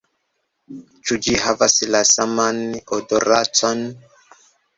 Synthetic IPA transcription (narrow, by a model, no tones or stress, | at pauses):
t͡ʃud͡ʒiɦavaslasamanodoɾat͡son